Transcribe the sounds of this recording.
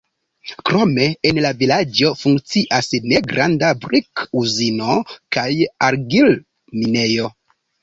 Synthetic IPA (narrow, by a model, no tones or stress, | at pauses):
kɾo̞me̞enlavilad͡ʒo̞fuŋkt͡siʔasne̞ɡɾa̰ndabɾikuzino̞kajaɾɡil | mine̞jo̞